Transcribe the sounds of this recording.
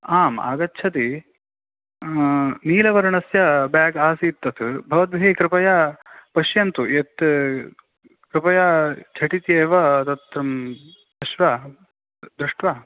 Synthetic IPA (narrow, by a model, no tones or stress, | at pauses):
aːma̰ːɡɐtːt͡ʃʰɐt̪i | niːlɐʋɐɾɐɳɐsjɐbaːɡaːsiːt̪ːɐt̪ʰubʱɐʋɐt̪̚bʱekɾɪpɐjapɐʃjɐnt̪uet̪ | kɾɪpɐjat͡ʃʰɐʈit̪jɐːʋɐt̪ɐt̪ɾɐm | ɐʃʋaː | d̪ɾɪʂʈʋaː